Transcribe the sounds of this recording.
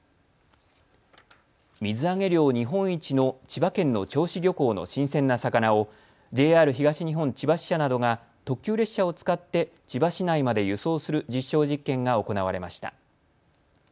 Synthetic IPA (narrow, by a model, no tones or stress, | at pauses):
mʲizɨaŋe̞ɾʲjo̞ːɲ̟iɦõ̞ɰ̃it͡ɕino̞t͡ɕibakẽ̞nːo̞t͡ɕo̞ːɕiɾʲo̞ko̞ːno̞̰ɕĩɰ̃sẽ̞nːasakanao̞ | d͡ʑe̞ːaːɾɯ̟çiɡaɕiɲ̟iɦõ̞ɲt͡ɕibaɕi̥ɕanad̪o̞ɡa | t̪o̞kʲɨːɾe̞ɕao̞t͡sɨ̥kat̪ːe̞ | t͡ɕibaɕinaimad̪e̞jɯ̟so̞ːsɨɾɯ̟d͡ʑiɕːo̞ːʑikːẽ̞ŋɡao̞ko̞naβaɾe̞maɕi̥t̪a̰